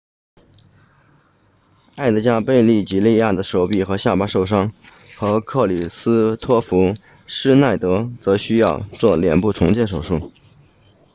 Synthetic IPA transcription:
a˥˩ɪd̪ə˧˥t͡ɕja˥pe˥˧ɪli˥˩t͡ɕi˧˥li˥˧ja˥˩d̪ə˩ʂo˧˥ʊpi˨˩xɤ˧˥ɕja˥˩pa˥ʂo˥˩ʊʂɑ˥ŋ | xɤ˧˥kʰɤ˥˩li˨˩sɹ̩˥t̪ʰwɔ˥fu˧˥ | ʂɻ̩˥na˥˩ɪt̪ɤ˧˥t͡sɤ˧˥ɕy˥jɑ˥˧ʊt͡swɔ˥˩ljɛ˨˩npu˥˩ʈ͡ʂʰʊ˧˥ŋt͡ɕjɛ˥˩nʂ̬o˨˩ʊʂu˥˩

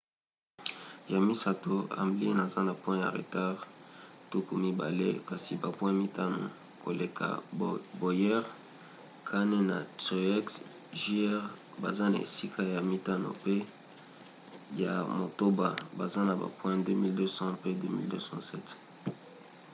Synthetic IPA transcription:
ja˨mi˦sa˨to˨a̰˨mbli˦na˨za˦na˨pwɛ̃˦ja̰˨ʁḛ˨ta˦ʁtu˦ku˨mi˦ba̰˨le˦ka˨si˨ba˨pwɛ̃˦mi˦ta˦no̰˨ | ko˨le˨kʰa̰˨bo˨jɛ˦ʁ | kʰa˦ne˦na̰˨te˨ɛ˦ks | ʒi˦ɛ˦ʁ | ba̰˨za˦na̰˨ḛ˨si˦kʰa˦ja˨mi˦ta˦no̰˨pe˦ | ja̰˨mo˨to˦ba˨ba˨za˦na˨ba̰˨pwɛ̃˦də˦mi˦ldø˦sɑ̃˦pe˦də˦mḭ˦ldø˦sɑ̰̃˦sɛ˦t

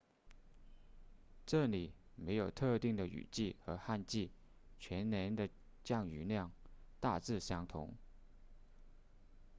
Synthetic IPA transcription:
ʈ͡ʂɤ˥˩li˨˩˦ | me˧˥ɪjo˨˩ʊt̪ʰɤ˥˧t̪i˥˩ŋd̪ə˩y̰˨˩t͡ɕi˥˩xɤ˧˥xa˥˧nt͡ɕi˥˩ | t͡ɕʰɥɛ˧˥nnjɛ˧˥nd̪ə˨ | t͡ɕjɑ˥˩ŋy˨˩ljɑ˥˩ŋt̪a˥˧t͡sɹ̩˥˩ɕjɑ˥ŋt̪ʰʊ̰˧˥ŋ

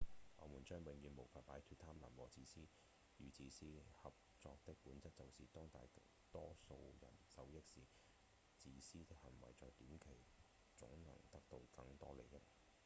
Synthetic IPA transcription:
ŋɔ̰ː˨˧muː˨˩nt͡ʃœː˥ŋwe˨ŋjyː˧nmo˨˩wfaː˨˧t̚paː˨˥jt̪ʰyː˧t̪ʰaː˥mlaː˨˩nwɔː˨t͡siː˧siː˥ | jyː˨˧t͡siː˧siː˥hɐ˨p̚t͡sɔː˧k̚t̪ɪ˥k̚puː˨˥nt͡sɐ˥t͡sɐ˨wsiː˨t̪ɔː˥ŋt̪aː˨jt̪ | t̪ɔː˥so˧wjɐ̰˨˩nsɐ˨˧wjɪ˥k̚siː˨˩ | t͡siː˨˧siː˥t̪ɪ˥k̚hɐ˨˩nwɐ˨˩jt͡sɔː˨˧jt̪iː˨˥mkʰe˨˩j | t͡sʊ̰˨˥ŋnɐ̰˨˩ŋt̪ɐ˥k̚t̪o˧wkɐ˧ŋt̪ɔː˥le˨˧jɐ˥t̚

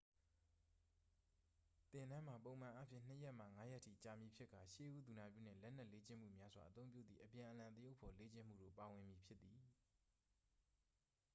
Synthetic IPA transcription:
t̪ɪ̃˨ndã˦m̥a˨põ˨ʊ̃mã˨ʔa˦pʰjɪ̰̃˦˨n̥ə˦jɛ˦ʔm̥a̰˦˨ŋa˦jɛ˦ʔtʰḭ˦˨t͡ɕa˨mji˨pʰjɪ˦ʔkːa˨ʃḛ˦˨ʔu˦d̪u˨na˨pjṵ˦˨n̥ɪ̰̃˦˨lɛ˦n̥ɛ˦ʔle˦t͡ɕɪ̰̃˦˨m̥ṵ˦˨mja˦zwa̰˨ʔət̪õ˦mpjṵ˦˨d̪ði˨ʔəpjã˨ʔəlã˨t̪ə˦jo˦pʰːɔ˨le˦t͡ɕɪ̃˦˨m̥ṵ˦˨do̰˦˨pa˨wɪ̃˨mji˨pʰjɪ˦t̪ːi˨

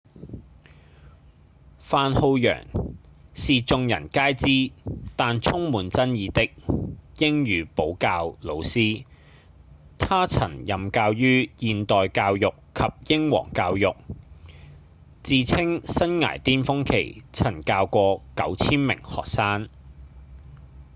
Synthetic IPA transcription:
faː˨nho˧wjœ̰ː˨˩ŋ | siː˨t͡sʊ˧ŋjɐ̰˨˩nkaː˥jt͡siː˥t̪aː˨nt͡sʰʊ˥ŋmuː˨˧nt͡sɐ˥njiː˨˧t̪ɪ˥k̚jɪ˥ŋjyː˨˧˥po˨˥wkaː˧wlo˨˧wsiː˥ | t̪ʰaː˥t͡sʰɐ̰˨˩njɐ˨mkaː˧wjyː˥jiː˨˧nt̪ɔː˨jkaː˧wjʊ˨kʰːɐ˨p̚jɪ˥ŋwɔ̰ː˨˩ŋkaː˧wjʊ˨˩k̚ | t͡siː˨˧t͡sʰɪ˥ŋsɐ˥nŋa̰ː˨˩jt̪iː˥nfʊ˥ŋkʰḛ˨˩jt͡sʰɐ˨˩nkaː˧wkʷɔː˧kɐ˨˥wt͡sʰiː˥nmɪ̰˨˩ŋhɔː˨˩k̚saː˥n

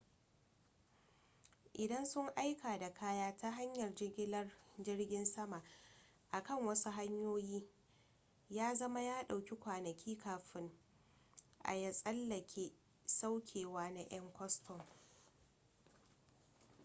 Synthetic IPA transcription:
ʔɪ˨dɐ˦nsʊ˦ŋʔa˦jkaː˨da˨kʰaː˦jaː˦tʰa˦ɦa˦ɲjɐ˨rd͡ʒɪ˦ɡʲɪ˦lɐ˦rd͡ʒɪ˦rɡʲɪ˦nsɐ˦ma˨ | ʔa˨kɐ˦˨ŋwɐ˦su˦ɦa˦ɲjoː˦jiː˦ | jaː˦zɐ˦ma˦jaː˦ɗa˨wkʲi˦kʷaː˨nɐ˨kʲʰiː˦kaː˨ɸɪ˦ŋ | ʔa̰˨ja˦sʼɐ˦lːɐ˨kʲʰeː˦ | sa˦wkʲʰeː˨waː˦na˦j̰ɐ˦ŋkʷɔ˦stʰɔ˨ŋ

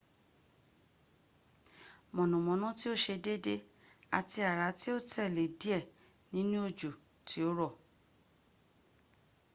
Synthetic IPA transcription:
mɔ̃˨nũ˨mɔ̃˨˦nɔ̃˦ti˦o˦˨ʃe˧de˦de˦ | a̰˨˧ti˧a˨ɾa˨˦ti˦o˦tɛ˦˨le˨di˨˦ɛ˦˨ | nĩ˨˦nũ˦o˦˨d͡ʒo˨ | tʰi˨˦o˦ɾɔ˦˨

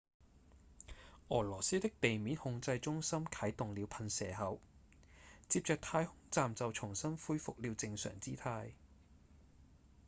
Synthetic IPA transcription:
ʔɔː˨˩lɔː˨˩siː˥t̪ɪ˥k̚t̪e˨jmiː˨˥nhʊ˧ŋt͡sɐ˧jt͡ʃʊ˥ŋsɐ˥mkʰɐ˨˥jt̪ʊ˨ŋliː˨˧wpʰɐ˧nsɛ̰ː˨˩ɦɐ˨˥w | t͡siː˧p̚t͡ʃœː˨˧k̚t̪ʰaː˧jhʊ˥ŋt͡saː˨mt͡sɐ˨wt͡sʰʊ˨˩ŋsɐ˥nfuː˥jfʊ˨k̚liː˨˧wt͡sɪ˧ŋsœ̰ː˨˩ŋt͡siː˥t̪ʰaː˧j

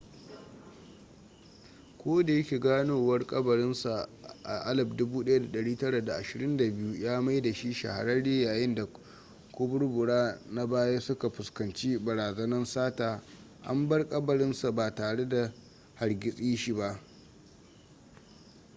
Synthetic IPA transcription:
kʷoː˦da˨jɐ˦kʲiː˨ɡaː˦noː˨wɐ˦rkʼɐ˦bɐ˨ɽɪ˦nsa˨ʔa̰˨ʔa˦lɐ˨bdʊ˦buː˦ɗɐ˦ja˦da˨ɗɐ˨ɽiː˦tɐ˦ɽa˨da˨ʔa˨ʃɪ˨ɾɪ˦nda˨bɪ˦ju˦jaː˦ma˦jda˨ʃi˦ʃɐ̰˨ha̰˨ɾɐ˦nle˦jaː˨jɪ˦nda˨ | kʷʊ˦bʊ˦ɽbʊ˨ɽaː˦na˦baː˦jaː˦sʊ˦ka˨ɸʊ˨skɐ˨nt͡ʃi˦bɐ˨ɾaː˨zɐ˦nɐ˦nsaː˦taː˨ | ʔa̰˦mbɐ˦rkʼɐ˦bɐ˨ɽɪ˦nsa˨baː˨taː˨ɽe˦da˨ | ha˨rɡʲɪ˨sʼiː˦ʃi˦ba˦ʔ

